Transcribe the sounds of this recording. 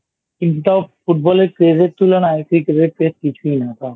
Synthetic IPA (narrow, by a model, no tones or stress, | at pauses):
kint̪ut̪afuʈ̚bɔleɾkɾezet̪ulanaekɾikeɾeɾkɾeskit͡ʃʰuinat̪a